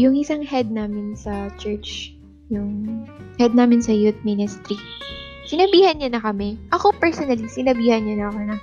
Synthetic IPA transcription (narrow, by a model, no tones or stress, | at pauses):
jʊŋʔɪsaŋhɛd̪̚naːmɪnsɐt͡ʃɛɹt͡ʃ | jʊŋhɛd̪̚naːmɪnsɐjut̪̚mɪnɪst̪ɾi | sɪnɐbiːhɐnɲanɐkɐmɛʔɐko̞pɛɹsonɐlisɪnɐbiːhɐnɲɐnɐkonɐ